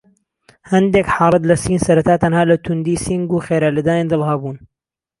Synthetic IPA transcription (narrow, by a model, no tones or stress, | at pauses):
hɐnd̪eːkħɑːɾˤɨd̪lɐsiːnsɐɾɐt̪aːt̪ɐnhaːlɐt̪ʰund̪iːsiŋɡuːxeːɾaːlɐd̪aːjeːnd̪ɨlˠhabuːn